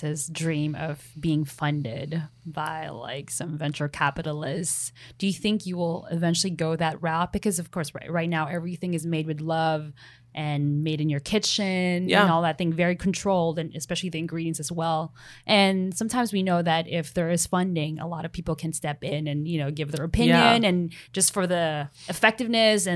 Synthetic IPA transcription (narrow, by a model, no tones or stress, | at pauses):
ɪzdɹĩmʌ̰v̥biɪ̃ŋfʌ̃ndɪ̰d̚b̥a̰ɪla̰ɪksʌ̃ɱvɛ̃nt͡ʃə˞lˠkʰæpɨɾl̩ˠɪstsd̥ɨjɨθɪ̃ŋkjɨwɪlˠɪ̰vɛ̃nt͡ʃʉl̩ˠiɡoʊðɨt̚ɹaʊt̚b̥ɨkʰʌzʌv̥kʰɔɹsɹaɪtⁿnaʊʔɛvɹiθɪ̃ŋɨzmeɪd̚wɨðlʌv | ʔɨ̃nmeɪɾɨ̃njə˞kʰɪt͡ʃɪ̃nɨ̃nɔlˠðɨt̪̚θɪ̃ŋvɛɹikʰn̩tʰɹ̥oʊlˠdɨ̃nɨ̰spɛʃl̩ˠiðiɨ̃nɡɹiɾiɨ̃ntsɨzwɛlˠʔɨ̃nsʌ̃mtʰãɪ̃mzwinoʊðɨɾɪfðə˞ɨz̥fʌ̃ndɪ̃ŋə̰lɔɾʌv̥pʰipl̩ˠkʰɨ̃nstɛpɪ̃nɨ̃njɨnoʊɡɪvðə˞ɨpʰɪ̃njɨ̃nɨ̃nd͡ʒʌstfə˞ðiɨfɛk̚tɨvnɨsɨ̃